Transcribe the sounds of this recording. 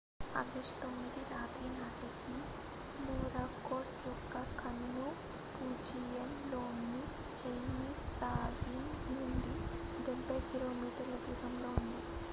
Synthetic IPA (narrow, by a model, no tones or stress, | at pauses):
ɐ̰d̪ɐʂt̪omːid̪iɾaːt̪ɾiːnaːʈiki | nuːɾaːkoːʈjɔkːɐkʰɐnːu | puːd͡ʒijɐnloːmni | t͡ʃɐjniːspɾaːʋinnuɳɖiɡɛɳpɐjkiɾoːmiːʈɐɾlɐd̪uːd̪ɐmlo̞ːund̪i